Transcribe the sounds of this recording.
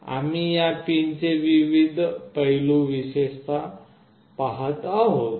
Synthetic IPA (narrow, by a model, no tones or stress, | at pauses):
a̰mijapint͡seʋiʋid̪ʱpəɦluʋiɕest͡sa | paɦət̪aɦot̪